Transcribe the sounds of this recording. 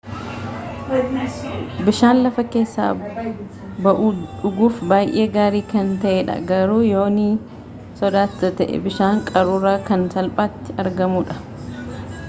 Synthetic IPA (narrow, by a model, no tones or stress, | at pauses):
bɪʃaːnlɐfɐke̞ːsːa̰ː | bɐʔuːᶑʊɡuːfbaːjʔeːɡaːɾiːkɐnt̪ɐʔɛᶑɐ̰ɡɐɾuːjoːni | sɔd̪aːt̪ːɐt̪ɐʔɛ̰bɪʃaːŋkʼɐɾuːraːkɐnsɐlpʼaːt̪ːɪɐɾɡɐmuːᶑɐ̥